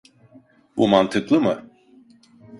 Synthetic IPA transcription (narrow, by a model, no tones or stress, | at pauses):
bṵmant̪ʰɯklˠɯmɯ